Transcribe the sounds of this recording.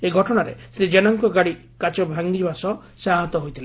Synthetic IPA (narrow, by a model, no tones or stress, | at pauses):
eɡʱɔʈɔɽ̃aɾḛsɾid͡ʒenaŋkɔɡaɽi | kat͡ʃɔbʱaŋɡibasɔ | saɦɔt̪ɔɦojt̪ʰile